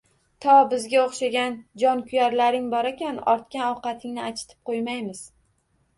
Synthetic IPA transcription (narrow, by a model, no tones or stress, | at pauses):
t̪ʰɒbɪzɡʲaoχʃaɡʲand͡ʒɒnkʲʰʊjaɾlaɾɪŋbɒɾakʲanɒɾt̪̚kʲanɒwqɑt̪ʰɪŋnɪat͡ʃʰɪ̥t̪ʰɪ̥p̚qʰojmajmɪz̥